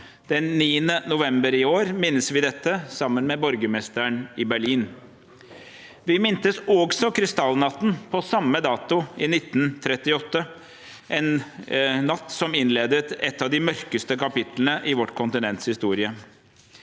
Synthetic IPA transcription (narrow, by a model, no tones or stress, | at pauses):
d̪̥ɛnːiːənənʊʋɛmbəɾɪoːɾmɪnːəsʋɪd̪ɛt̪ːəsɑmːənmɛbɔɾɡəmɛst̪əɳɪbæɭiːn | ʋɪmɪnt̪əsɔɡsɔkʰɾɪst̪ɑlnɑt̪ːn̩pʰɔsɑmːəd̪ɑːt̪ʊɪnɪt̪ːnt̪ʰɾɛt̪ːɪɔt̪ːə | ʔɛnnːɑt̪ːsɔmɪnleːd̪ət̪ɛt̪ːɑʋd̪ɪmœɾkəst̪əkɑpɪt̪lənəʔɪʋɔʈːkʰʊnt̪ɪnɛnt̪shɪst̪uːɾɪə